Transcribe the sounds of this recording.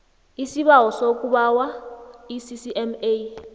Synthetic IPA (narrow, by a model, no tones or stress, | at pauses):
isiɓaɦɔsok̬ʼuɓawaisisiʔɛme